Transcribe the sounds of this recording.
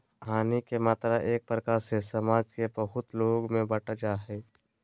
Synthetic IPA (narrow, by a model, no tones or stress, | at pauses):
ɦaːnikemaːt̪ɾaʔeːk̚pɾəkaːɾsesɐmaːd͡ʒkebɐɦʊt̪loːɡmẽbɐʈad͡ʒaːɦeː